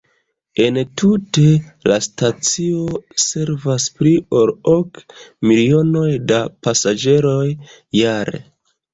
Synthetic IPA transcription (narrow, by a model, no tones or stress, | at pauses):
e̞ntute̞lastat͡sio̞se̞ɾvaspɾiolokmilio̞no̞jdapasad͡ʒe̞ɾo̞jː | aɾḛ